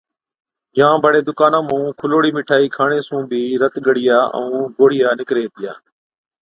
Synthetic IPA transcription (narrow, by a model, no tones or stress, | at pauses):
ɪjãːbʱəɽeːd̪ʊkaːnãːmũːkʰʊloːɽiːmɪʈʰaːiːkʰaːɳeːsũːbʱiːɾət̪ɠəɽɪjaːə̰ũːɡoːɽɪjaːnɪkɾeːt̪ɪja̰ː